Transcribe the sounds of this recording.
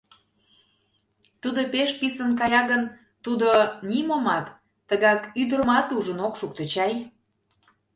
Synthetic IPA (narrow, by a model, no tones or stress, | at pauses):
t̪ud̪opeʃpisənk̬ɑjɑɣən | t̪ud̪onʲimomɑt̪ː | əɣɑkyd̪əɾmɑt̪uʒənokʃuk̚t̪ət͡ɕɑj